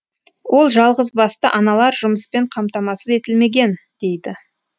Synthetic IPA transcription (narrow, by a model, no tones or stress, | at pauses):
wʔo̞lˠʒɑlˠʁəzbɑst̪əʔɑnɑlˠɑɾʒʊməspe̞ɴqʰɑmt̪ɑmɑsəze̞t̪ɪlme̞ɡʲe̞n | d̪̥e̞jd̪ɪ